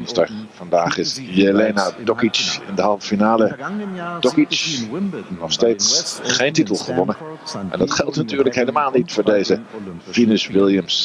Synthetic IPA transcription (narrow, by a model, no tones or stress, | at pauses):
stə̰ɹv̥ɑndaːχɪsjeleːnadɔkit͡ʃɪ̰ndəɦɑlˠvəfinaːləd̥ɔkit͡ʃ | nɔχsteːtsχejntitəlˠχəʋɔnənʔɛ̰ndɑtχɛlˠtnatyːɹləkheləmaːlˠnitfʊːɹdejzəfinɪsʋɪlˠjəms